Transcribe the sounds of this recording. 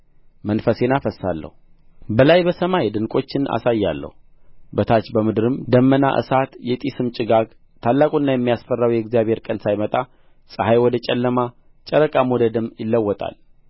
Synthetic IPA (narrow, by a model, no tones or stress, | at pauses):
mənfəse̞nafəsːalːə̰hu | bəlajbəsəmajd̪ɨŋkʼo̞t͡ʃːɪna̰sajːalːə̰hu | bət̪ʰat͡ʃbəmɨd̪ɨɾɨmd̪əmːəna̰ʔɨ̰sat̪jɛt̪ʼisɨmt͡ʃʼɪɡaɡ | t̪ʰalːakʼunːajɛmːijasfərːawjɛɡzijaβhe̞ɾkʼənsajmət̪ʼa | sʼɨhajwɔd̪ət͡ʃʼɛlːəma | t͡ʃʼəɾəkʼamod̪əd̪ɨmːjɪlːəwːɔt̪ʼa̰l